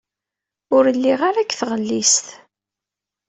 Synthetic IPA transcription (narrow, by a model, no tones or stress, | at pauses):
ʊɾəlːiʁaɾækːθʁəlːist̪